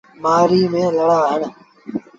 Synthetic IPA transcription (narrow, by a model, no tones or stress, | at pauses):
maːɾiːmẽːləɽaːɦəɳ